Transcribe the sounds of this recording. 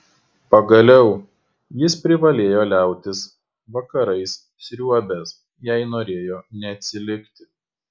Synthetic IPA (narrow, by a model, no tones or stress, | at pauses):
pɐɡɐlʲɛʊ | jɪspʲɾʲɪʋɐlʲeːjoːlʲæˑʊt̪ʲɪs | ʋɐkɐɾɐɪs | sʲɾʲuɔbʲɛs | jæɪnoːɾʲeːjoːnʲɛːt̪ʲsʲɪlʲɪkt̪ʲɪ